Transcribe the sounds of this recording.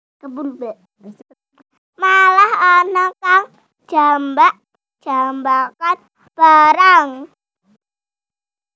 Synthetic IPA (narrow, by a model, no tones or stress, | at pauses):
kəbulbɛ | malahanakaŋ̥ | ʒ̥a̤mbaʔ | d̥ʒ̥ambakan | b̥aɾaŋ